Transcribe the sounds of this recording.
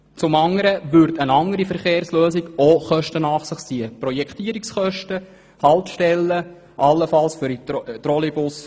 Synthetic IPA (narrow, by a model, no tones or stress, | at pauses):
t͡sʊmɑŋəɾəʋʏɾdənɑŋəɾifəɾχeːɾsløːsiɡoχœʃtənɑːχsɪχt͡siəprɔjɛkt̪iːəɾiksχœʃtə | hɑlt̪ʃtɛlːə | ʔɑlːəfɑlsfyɾit̪ɾɔlibʊs